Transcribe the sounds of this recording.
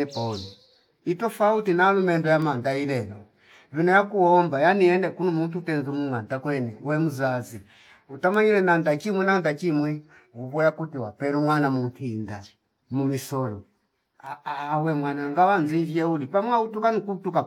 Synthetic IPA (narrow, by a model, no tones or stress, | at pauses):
ɛpaulɔ | itɔfautinalumɛndɔjamandailɛlɔ | vinajakuɔmbajaniɛndɛkunumuntutɛnzumuŋantakwɛnɛwɛmuzazi | utamaɲilɛnandakimwɛnandakimwɛ | uβɔjakutiwapɛɾuŋwanamun̩tʰinda | mumisɔlɔ | aawɛmwanaŋɡawanzivjɛulipamwautukanikutuka